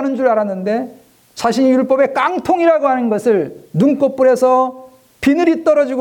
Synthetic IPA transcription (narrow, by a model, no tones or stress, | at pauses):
nɯnd͡ʑuɾɯɭaɾanːɯnde̞ | t͡ɕaɕʰiɲijuɭp͈ʌbe̞k͈aŋtʰoŋiɾaɡoɦanɯnɡʌsʰɯɭnuŋk͈op͈uɾe̞sʰʌ | pinɯɾit͈ʌɾʌd͡ʑiɡo